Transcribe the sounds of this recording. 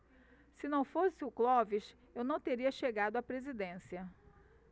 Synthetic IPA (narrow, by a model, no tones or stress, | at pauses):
sɪnɐ̃w̃fosɪʊklɔviʃ | ewnɐ̃w̃t̪eɾiɐʃeɡad̪ʊapɾezid̪ẽsiɐ